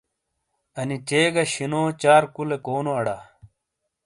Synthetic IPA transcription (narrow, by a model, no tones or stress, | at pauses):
ɐnit͡ɕeːɡɐɕinoːt͡ɕaːɾkulekoːnoɐɽa